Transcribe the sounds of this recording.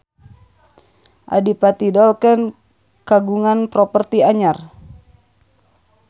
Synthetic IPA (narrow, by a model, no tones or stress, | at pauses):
ʔa̰dipat̪idɔlkən | kaɡuŋanpɾɔpərt̪iaɲar